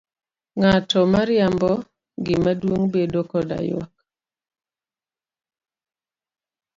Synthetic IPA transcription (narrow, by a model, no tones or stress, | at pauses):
ŋatɔmaɾɪjambɔ | ɡɪmadwoŋbedokɔda̰jwɔ̰k̚